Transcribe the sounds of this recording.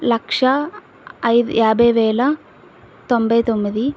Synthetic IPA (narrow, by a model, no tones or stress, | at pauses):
lɐkʂɐː | jðɨ̰jaːbeʋeːlɐ | t̪ombɐit̪omːɐði